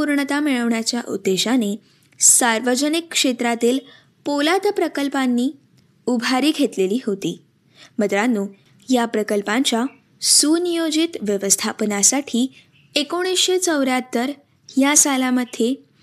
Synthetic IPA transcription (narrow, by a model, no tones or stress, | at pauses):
puɾɳət̪amiɭəʋɳjat͡ɕjaʔṵd̪ːeɕane | saɾʋəd͡ʑənikːʂet̪ɾat̪iːl | polat̪əpɾəkəlpanːiː | ubʱaɾiːɡʱet̪leliːɦot̪iː | mət̪ɾanːuː | japɾəkəlpãɲt͡ɕja | sunijod͡ʑit̪ʋjəʋəst̪ʰapənasaʈʰiː | ekoɽ̃isɕet͡səwɾjat̪ːəɾ | jasalaməd̪ʱːje